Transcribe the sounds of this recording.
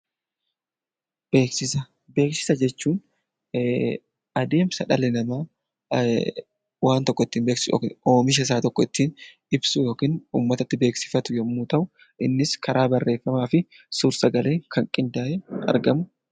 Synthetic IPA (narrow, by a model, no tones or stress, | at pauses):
b̥eːksɪsɐ | be̞ːksɪ̥sɐd͡ʒɛt͡ʃːuːn | ɐd̪e̞ːmsɐᶑɐlɛnɐmaː | waːnt̪ɔkːɔɪt̪ːiːnbe̞ːkso̰kːoːmɪʃ̬ɐɪs̬aːt̪ɔkːɔɪt̪ːiːn | ɪbsʊjo̞ːkiːnṵːmːɐt̪ɐt̪ːɪbe̞ːksɪ̥fɐt̪ʊjɛmːuːt̪ɐʔʊ | ʔɪnːɪskʰɐɾaːbɐrːe̞ːfːɐmaːfɪ | sʊɾsɐɡɐle̞ːŋkʰɐŋkʼɪnd̪aːʔɛɐ̰ɾɡɐmʊ